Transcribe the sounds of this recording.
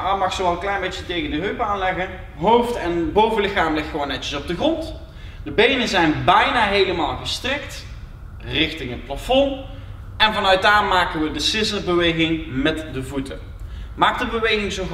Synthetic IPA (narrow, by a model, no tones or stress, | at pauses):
amɑxsowɑlˠəŋklɛjnbejt͡ʃətejɣəndəɦøɥpaːnlɛɣən | ɦowftɛnbowvəlɪxaːmlɪxtːəʋownɛtəsɔb̚dəχrɔnt | d̥əbejnənzɛjnbɛjnaːɦejləmaːlˠɣəstrɪkt | rɪxtɪŋɦət̚plafɔn | ɛnvɑnœɥt̚daːɹmaːkənʋədəsɪsərbəʋejɣɪŋmɛtdəvutən | maːk̚dəbəʋejɣɪŋzo